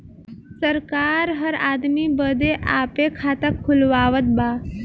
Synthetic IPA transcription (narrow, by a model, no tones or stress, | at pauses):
səɾkaːɾɦəɾaːd̪mibəd̪eʔaːpekʰaːt̪əkʰːulʋaːʋət̪̚baː